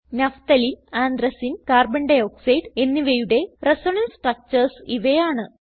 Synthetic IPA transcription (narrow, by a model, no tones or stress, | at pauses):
nɐft̪ɐlinaːnd̪ɾɐsinkaːrbɐɳɖɐjoːksɐjɖe̞nːiʋejuɽe̞resoɳɐnsʈrɐk̚t͡ɕɐrsḭʋɐjaːɳɨ